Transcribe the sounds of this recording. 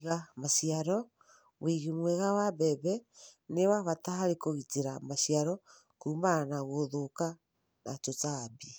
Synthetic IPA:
ɣamasiaɾɔ | wiɣimwɛɣawabɛβɛnewaβataɦaɾekoɣiteɾamasiaɾɔ | kuːmanaɣoðoka | na̰t͡ʃot͡saːbi

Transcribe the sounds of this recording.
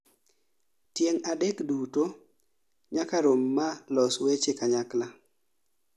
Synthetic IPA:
tjeŋadekduto | ɲakaɾomːalɔswet͡ʃekaɲakla

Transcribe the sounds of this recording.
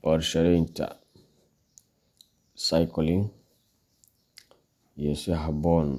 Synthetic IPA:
ʔɔɾʃɛɾinta̰ | sajkɔliŋ | jɛsiɦabɔn

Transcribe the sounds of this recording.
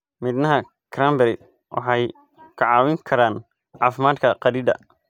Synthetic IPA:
mɪːd̪nɐɦɐ | kʰɾaːmbɛɾ | wʔɑ̰ħɑj | kʰɐʕɑːwɪŋkʰɐɾaːn | ʕɑːfɪmaːd̪kʰɐqɑɾiːd̪ɐ̰

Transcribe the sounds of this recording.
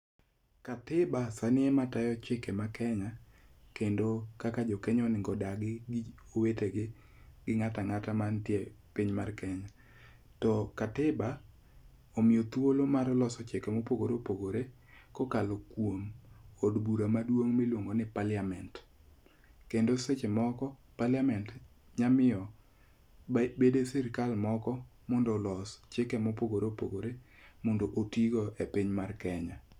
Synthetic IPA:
katɪbasanɪɛmatajɔt͡ʃɪkɛmakɛŋakendokakad͡ʒɔkɛɲɔnɪŋɡɔdaɡɪɡoweteɡɪ | ɡɪŋataŋatamantje | piɲmarkɛŋa | tɔkatɪba | omɪjot̪wolomarlɔsɔt͡ʃɪkɛmopoɡoɾepoɡoɾe | kɔkalokwomodbuɾamadwoŋmɪlwoŋɡonɪpalɪamɛnt | kendoset͡ʃemɔkɔpalɪamɛnt | ɲamɪɔ | bbedesɪɾkalmɔkɔ | mɔndɔlɔst͡ʃɪkɛmɔpoɡoɾopoɡoɾe | mondoʔotiɡoʔepiɲmarkɛɲa

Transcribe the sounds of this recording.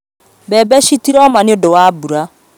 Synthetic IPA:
bɛbɛʃitiɾɔmaneodowabuɾa

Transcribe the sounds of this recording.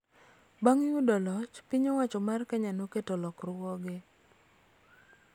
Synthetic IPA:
baŋjudɔlɔt͡ʃpɪɲowat͡ʃɔmarkɛɲanoketolɔkrʊwɔɡɪ

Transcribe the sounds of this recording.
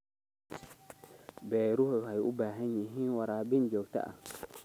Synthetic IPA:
bɛɾuhoɦajṵbaɦaɲĩɦĩwaɾabind͡ʒoɡ̚ta̰ʔa̰

